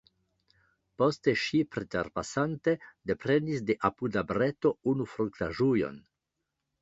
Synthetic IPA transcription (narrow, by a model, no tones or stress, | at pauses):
po̞ste̞ʃipɾetḛɾpasante̞de̞pɾe̞nisde̞ʔapudabɾeto̞unufɾuŋktaʒujo̞̰n